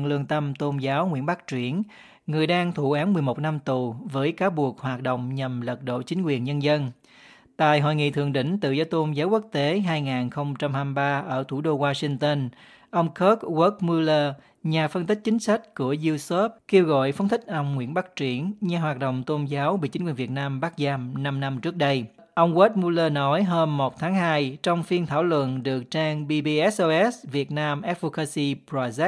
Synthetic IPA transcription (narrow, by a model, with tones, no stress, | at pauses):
lɨ˧˩əŋt̪ə˧mt̪o˧nzaː˨˦wŋwḭ˧˥ənɓa˦˥k̚t͡ɕwi˧˩ən | ŋɨ˨˩əjɗaː˧ŋt̪ʰu˧˩ʔaː˨˦nmɨ˨˩əjmo˨˩t̚na˧mt̪u˨˩vəː˨˦jkaː˨˦wɓu˨˩ək̚hwaː˨˩t̚ɗo̰˧˨wŋ͡mɲə˨˩mlə˨˩t̚ɗo̰˧˨t͡ɕï˨˦ŋ̟kwi˨˩ənɲə˧nzə˧n | t̪a̰ː˧˨jɦo̰˧˨jŋḭ˧˨t̪ʰɨ˨˩əŋɗḭ˧˨ŋ̟t̪ɨ̰˧˨zɔː˨˦jt̪o˧nzaː˨˦wku˦˥k̚t̪e˨˦ɦaː˧jŋaː˨˩nxə˧wŋ͡mt͡ɕa˧mhaː˧mɓaː˧ʔəː˧˩t̪ʰu˧˩ɗo˧ɣwaː˧si˧ŋt̪ə˧n | ʔə˧wŋ͡mkə˦˥t̚ɣə˦˥t̚mu˧ləː˧ | ɲaː˨˩fə˧nt̪ï˦˥k̟̚t͡ɕï˨˦ŋ̟sa˦˥k̚ku˧˩əzu˧so˦˥p̚ke˧wɣɔ̰˧˨jfa˨˦wŋ͡mt̪ï˦˥k̟̚ʔa˧wŋ͡mŋwḭ˧˥ənɓa˦˥k̚t͡ɕwi˧˩ənɲaː˧˩ɦwaː˨˩t̚ɗo̰˧˨wŋ͡mt̪o˧nzaː˨˦wɓḭ˧˨t͡ɕi˨˦ŋkwnvi˨˩ət̚naː˧mɓaː˦˥k̚zaː˧mna˧mna˧mt͡ɕɨ˦˥ək̚ɗə˧j | ʔə˧wŋ͡mɣə˦˥t̚mu˧ləː˧nɔ˨˦jɦəː˧mːo˨˩t̚t̪ʰaː˨˦ŋɦaː˧jt͡ɕɔ˧wŋ͡mfi˧ənt̪ʰaː˧˩wlwə̰˧˨nɗɨ˨˩ək̚t͡ɕaː˧ŋɓi˧ɓi˧ʔɛ˦˥sʔo˧ʔɛ˦˥svi˨˩ət̚naː˧mʔɛ˦˥t̚vo˧ka˧si˧pɾa˧z̚